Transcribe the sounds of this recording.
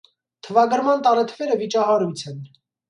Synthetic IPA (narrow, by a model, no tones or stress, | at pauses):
t̪ʰəvɑɡəɾmɑnt̪ɑɾɛt̪ʰəvɛɾəvit͡ʃɑɦɑɾujt͡sʰɛn